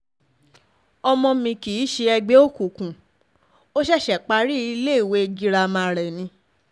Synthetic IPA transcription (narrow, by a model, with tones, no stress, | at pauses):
ɔ˧mɔ̃˧mĩ˧ki˨i˨˦ʃe˧ɛ˧ɡ͡be˦o˦˨ku˨kũ˨ | o˦ʃɛ˦˨ʃɛ˨k͡pa˧˦ɾi˦i˧le˦i˨we˧˦˧ɡi˦ɾa˧mã˧˦˨ɾɛ˨nĩ˧˦